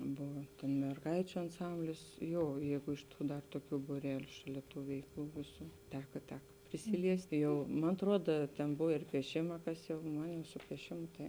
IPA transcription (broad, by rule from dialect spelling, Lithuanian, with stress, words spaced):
ˈboːʋɐ mʲɛrˈɡɐɪt͡ʃʲʊ ɐnˈsɐmʲbʲlʲɪs ˈjoː ˈjɛɪɡʊ ɪʃ ˈtuː dɐr toːˈkʲuː buːˈrʲæːlʲʊ ˈʃɑːˌlʲɛ ˈtuː ˈʋʲɛɪkˌlˠuː ˈʋʲeːˌsuː ˈtʲæːkɐ ˈtʲæːkɐ pʲrʲɪsʲɪˈlʲiɛsʲtʲɪ ˈjɛʊ mɐn ɐtˈruɔdɐ tʲɛn ˈboːw ɪr pʲiɛˈʃʲɪmɐ ˈkɐs jɛʊ ˈmɐn jɛʊ sʊ pʲiɛˈʃʲɪmʊ tɐɪ